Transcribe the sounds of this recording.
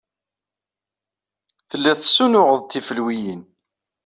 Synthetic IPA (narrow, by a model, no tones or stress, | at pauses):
θəlːæθsːunʊʁəðˤt̪ːifəlwijən